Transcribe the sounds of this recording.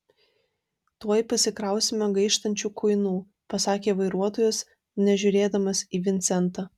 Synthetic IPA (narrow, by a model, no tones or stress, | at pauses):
t̪uɔjpɐsʲɪkɾɐˑʊsʲɪmʲoɡɐɪʃt̪ɐnʲt͡ʃʲuːkʊɪnuː | pɐsɑːkʲeːʋɐɪɾuɔt̪oːjʊs | nʲɛʒʲʊːɾʲeːd̪ɐmɐsiːʋʲɪnʲt̪sʲɛnt̪ɑ